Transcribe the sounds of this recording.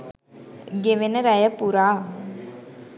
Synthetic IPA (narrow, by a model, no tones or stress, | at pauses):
ɡeʋenəɾɐjəpuɾaː